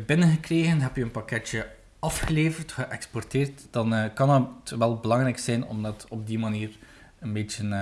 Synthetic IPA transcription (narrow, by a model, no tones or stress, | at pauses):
bɪnəɣəkreːɣənɦɛpjəənpɑkɛtjə | ɑfxəleːvərtxəʔɛkspɔrteːrtd̥ɑnkɑnətʋɛlˠbəlɑŋrɛjksɛjnɔ̰mdɑtɔb̚dimaniːr | ənbeːt͡ʃən